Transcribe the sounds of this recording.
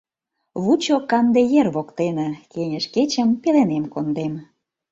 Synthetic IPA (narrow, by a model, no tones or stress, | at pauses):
βut͡ɕokɑnd̪ejerβokt̪enə̆kenʲəʃket͡ɕə̆mpelenemkond̪em